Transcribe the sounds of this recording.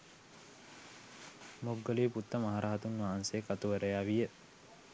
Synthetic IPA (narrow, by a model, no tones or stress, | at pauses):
moɡːɐliːput̪ːɐmɐɦɐɾʔɐɦɐt̪unʋaːnseːkɐt̪uʋɐɾɐjaːʋijːe